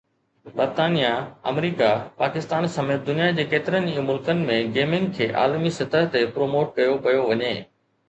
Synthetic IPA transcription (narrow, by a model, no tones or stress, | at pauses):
bɐɾt̪aːnijaɐ̰mɾiːkapaːkɪst̪aːnsɐmeːt̪̚d̪ʊnijad͡ʑeːkeːt̪ɪɾənɪĩmʊlkənɪ̆mẽɡeːmɪ̃ŋɡkʰeːʔa̰ːlmisɐt̪əɦt̪epɾoːmoːʈ̚kɐjopɐjoʋɐɲeː